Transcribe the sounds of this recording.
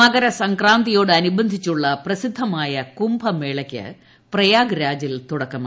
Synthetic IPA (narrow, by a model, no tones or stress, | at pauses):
ɐɡɐɾɐsɐŋkraːnd̪ijo̞ːɽɨɐnubɐnd̪ʱit͡ɕːuɭːɐprɐsid̪ʱːɐmaːjɐkumbʱɐmeːɭɐkʲːɨ̰ | prɐjaːɡɾaːd͡ʑilt̪uɽɐkːɐma